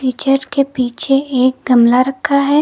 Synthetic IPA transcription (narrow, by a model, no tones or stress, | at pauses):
iːt͡ʃəɾkepiːt͡ʃʰeeːk̚ɡɐmlaɾɐkʰːaɦɛː